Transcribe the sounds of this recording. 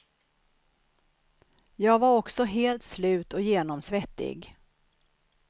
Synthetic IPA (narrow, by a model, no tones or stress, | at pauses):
jɑːɡvaɾɔksɔɦeːlt̪slʉ̟ːt̪ɔjeːnɔmsvɛt̪ːɪ̰ɡ